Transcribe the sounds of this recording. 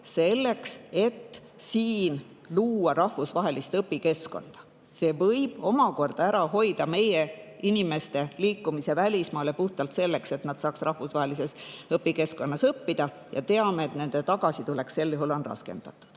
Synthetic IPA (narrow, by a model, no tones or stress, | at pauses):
se̞lːe̞kse̞t̪ː | siːn | luːɑɾɑhvusvɑɦe̞list̪ɤpːike̞sko̞̰nd̪̥ɑ̥ | se̞ːvɤjb̥o̞mɑko̞rd̪̥ɑæɾɑɦo̞jd̪̥ɑme̞jeinime̞st̪e̞liːkːumisevælʲismɑːle̞puht̪ɑlt̪se̞lːe̞kse̞t̪nɑd̪̥sɑːksrʔɑhvusvɑɦe̞lise̞sɤpːike̞sko̞nːɑsɤpːid̪̥ɑ | jɑ̰t̪e̞ɑmeːt̪ne̞nd̪̥et̪ɑɡ̥ɑsit̪ule̞kse̞lːjuhulo̞nrɑ̰ske̞̰nd̪̥ɑt̪ːˑu̥d̪̥